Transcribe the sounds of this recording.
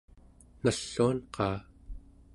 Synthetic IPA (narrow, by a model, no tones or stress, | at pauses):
naɬːuanqɑː